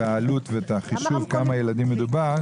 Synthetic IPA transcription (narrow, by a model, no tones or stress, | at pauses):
aalut̪veet̪aχiʃuvkamajelad̪imːed̪ubaʁ